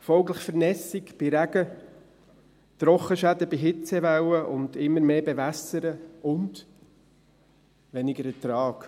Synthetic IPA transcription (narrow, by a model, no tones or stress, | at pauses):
fɔlkləχfəɾnɛsikb̥iɾæɡə | t̪ɾɔχəʃæd̪əbiɦɪt͡sɛʋawəʔʊnd̪ɪmːəɾmeːbeʋæsəɾəʊnd | ʋɛnɪɡəɾɛtɾɑːk